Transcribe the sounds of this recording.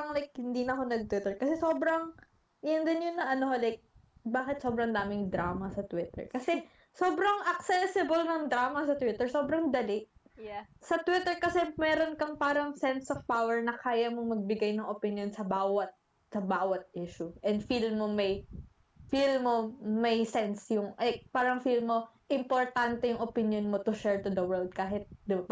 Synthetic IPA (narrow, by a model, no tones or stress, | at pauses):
ɐŋlajk̚hɪnd̪iːnɐkonɐɡ̚t̪wɪt̪ɛɹkɐsɛso̞ːbɾɐŋ | ʔɪjɐnd̪ɪnjonːɐʔɐnoholajk̚ | baːkɪt̪sobɾɐŋd̪aːmɪŋd̪ɾaːmɐsɐt̪wɪt̪ɛ̰ɹkɐsɛ | soːbɾɐŋʔɐk̚sɛsɪbɐlnɐŋd̪ɾaːmɐsɐt̪wɪt̪ɛɹsoːbɾɐŋd̪ɐlɪʔ | sɐt̪wɪt̪ɛɹkɐsɛmɛːɾonkɐŋpaːɾɐŋsɛnsofpawɛɹnɐkʰaːjɐmoŋmɐɡ̚bɪɡajnɐŋʔopɪnjonsɐbaːwɐt̪̚ | sɐbaːwɐt̪̚ʔiʃʊʔɛnd̪filmomɐj | filmomɐjsɛnsjʊŋʔɐpaːɾɐŋfilmːo̞ | ʔɪmpoɹt̪ant̪ɛjʊŋʔopɪnjonmot̪ʊʃɛɹt̪ʊd̪ɐwɛld̪̚kaːɦɪt̪̚d̪ɪbap